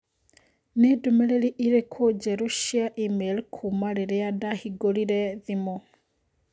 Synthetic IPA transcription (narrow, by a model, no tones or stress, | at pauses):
nedumeɾeɾiʔiɾekʰod͡ʒɛɾuʃiaʔimelkʰumaɾeɾeadahiɡoliɾɛðimo